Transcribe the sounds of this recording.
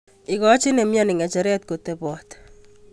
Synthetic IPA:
ɪ˨kɔ˦t͡ʃi˦ne˨mjɔni˨ŋɛ˨t͡ʃɛ˨ɾɛ˦t̚kote˨pɔ˨t

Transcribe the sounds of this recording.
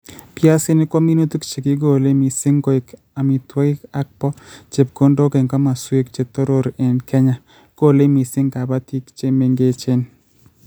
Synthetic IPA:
pja˦sɪ˦nɪ˦kwɔ˦mi˦no˦t̪u˦kt͡ʃe˨kɪ˦ɡo˨le˦mɪ˨sɪ˦ŋko˦ɪ˨k | a˨mɪ˨t̪wɔ˦ɪ˦ka˦k̚pɔ˦t͡ʃe˨p̚ko˦ndo˦ke˨ŋka˦ma˨swe˦kt͡ʃe˨t̪o˦ɾo˦ɾe˨nkʰɛ˦ɲa˦ | ɡ̥o˦˨le˦mi˨sɪ˦ŋka˨ba˦t̪i˦kt͡ʃe˦me˨ŋɡe˦t͡ʃɪ˦n

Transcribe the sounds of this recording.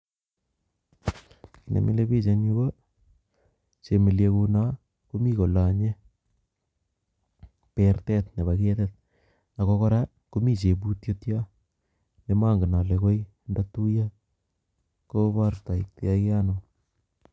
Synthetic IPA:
ki˨nḛ˨mʔḭ˦le˦bi˦t͡ʃe˨ni˦bo˦ | t͡ʃe˨mi˨ljekuna˦ | ko˦mi˦ko˨la˨ɲe˦ | pertɛt̪̚ne˨bake˦tet̚ | a˨kokɔ˦ɾa˦ | ko˦mi˦t͡ʃe˨bu˦tjo˦tja˦ | ne˨ma˦ŋɡɪ˨na˨le˨ko˦j | ndatu˦ja˦ | ko˦ba˦rta˨i˨k̚te˦a˦ke˦a˦no˨

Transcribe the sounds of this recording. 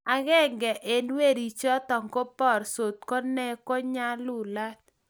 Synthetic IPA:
a˨ɣɛ˦ŋɡɛ˨ʔe˨nwe˦˨ɾi˨t͡ʃɔ˦t̪ɔ˨ŋko˦pɔ˦˨ɾso˨t̪̚kɔ˦nɛ˦ko˦ɲa˦lu˨la˦t̪̚

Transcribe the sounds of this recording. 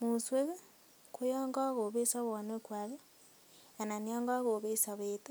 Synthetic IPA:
mu˨swe˦ɣe˦ | kʰo˦jɔː˦ŋɡɔ˦ɣo˨βe˦sa˦βɔ˨ne˦kwa˨ɣe˦ | a˨na˨ni˦ɔ˦ŋɡɔ˦a˦ɣo˨βe˦sa˨βete˦

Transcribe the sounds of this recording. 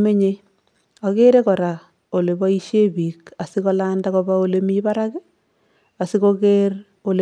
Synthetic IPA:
me˦ɲe | a˨ɣe˦ɾe˦kɔ˨ɾa˨ | o˨le˨ba˦i˦ʃe˦bi˨ka˨si˦kɔ˦landa˦kɔba˦o˦le˦mi˦βa˦ɾa˦kɪ˦ | a˨si˦koɡeɾ | o˨le

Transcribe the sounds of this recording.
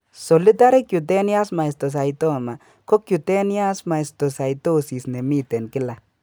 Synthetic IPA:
sɔ˨li˦ta˦ɾi˦kju˨t̬ɛ˦nja˦sma˨i˨sto˨s̬a˨jtɔ˦ma˨ | ko˦kju˨tɛ˦nja˦sma˨i˨sto˨sa˨jto˦si˨sne˨mi˦tɛ˨nkɪ˦la˨

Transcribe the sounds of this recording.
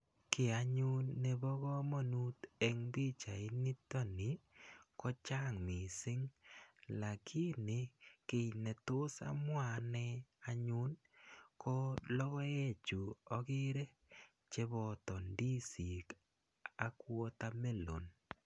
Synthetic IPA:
ke˨a˨ɲu˦nːe˦βɔ˦ɣɔ˦mɔ˦nu˦t̪e˦ŋbi˦t͡ʃa˨i˦ni˦tɔ˦nɪ˨kɔ˦t͡ʃa˦ŋmɪ˨sɪ˦ŋla˨kʰɪ˦nɪ˨ke˨i˨nɛ˨tʊ˦sa̰˦mwa˦˨nɛ˦a˨ɲʊ˦n | kɔ˦lɔ˦ɣɔ˦e˦t͡ʃu˨ɔ˦kɪ˦ɾe˦ | t͡ʃe˦βɔ˨tɔ˨ndi˦si˨k | a˨kwɔ˦t̪a˦me˦lo̰˨n

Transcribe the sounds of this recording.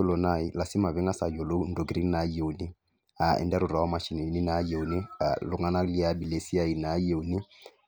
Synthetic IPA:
ʊ˦lɔ˨na˨i˦la˨si˦ma˨βɛ˦ŋa˦sa˨jo˨lo˦u˦n̩˦do˨ɡɾi˦ŋ˦na˨˦jo˨u˨ni˦ | a˨ɛ̰˨ndɛ˦ɾʊ˨ɾa˨ɔ˦ma˦ʃi˨ne˨ni˦na˨˦je˨u˨nḭ˦˨lʊ˨ŋa˦na˦li˦a˦bi˨le˨˦si˦a˦i˨na˨˦je˨u˨ni˦

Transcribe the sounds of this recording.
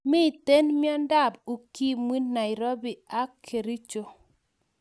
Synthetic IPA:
mi˦˨te˦nmjɔ˦nda˦˨bu˨ki˦mwi˦na˨ɪ˨ɾo˦bi˨a˦kʰe˨ɾi˦t͡ʃo˨

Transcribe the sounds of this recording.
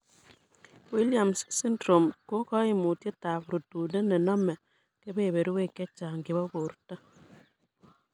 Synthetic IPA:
wi˦lja˨mssi˦ndɾo˨mko˦kɔ˦ɪ˦mu˨tje˦ta˨pɾo˨tu˨ne˦nɛ˨nɔ˦mɛ˨ | ke˦be˦˨βe˨ɾi˦we˦˨kɛ˦t͡ʃa˨ŋɡɪ˨βɔ˦ko˨ɾta˦

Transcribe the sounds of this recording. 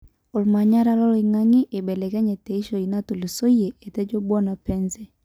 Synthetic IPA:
o˨lma˨ɲa˦ɾa˦lɔ˦li˨ŋa˦ŋi˦ʔe˨bɛ˨lɛ˨kɛ˦ɲɛ˨tɛ˨i˦ʃo˨i˨na˦tu˨lo˨so˦je˨e˨tɛ˦d͡ʒo˦bɔ˦na˨pɛ˦nzɛ˦

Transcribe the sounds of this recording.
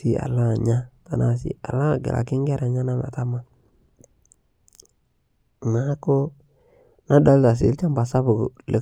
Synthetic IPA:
i˦a̰˨la˦˨ɲa˦ta˨na˦˨s̬ḭ˨a˨la˦˨ɡḛ˨lʔa̰˨kɪ˦ŋ˦ɡɛ˦ɾa˨ɲa˦na˦ma̰˨ta˦ma˦˨ | na˨˦ko˦ | na˦da˦lta˨s̬ḭ˨˦lt͡ʃa˦m˦ba˨sa˦bu˨ɡle˨

